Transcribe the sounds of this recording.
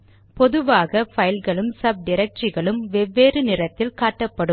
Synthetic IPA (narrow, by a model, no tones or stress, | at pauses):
pɔðɯʋaːɣɐfɐjɪlɣɐɭɯmsɐb̚ɖɪɾɐk̚ʈt͡ʃɪɣɐɭɯmʋɛʋːeːɾɯnɪrɐt̪ːɪlkaːʈːɐpːɐɽɯm